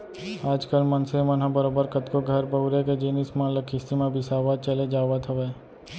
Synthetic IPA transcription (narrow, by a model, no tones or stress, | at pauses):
aːd͡ʒkəlmɐnsemɐnɦãbəɾoːbəɾkət̪koɡʱɐɾbəʊɾeked͡ʒeːnismãləkʰɪst̪imãbʱɪsaːʋat͡ʃɐled͡ʒaːʋat̪ʰɐʋeː